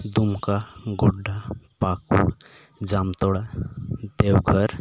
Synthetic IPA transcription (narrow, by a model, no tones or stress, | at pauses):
d̪umkaɡoɖːapakṵ | d͡zamt̪ɔɽad̪ewɡʱəɾ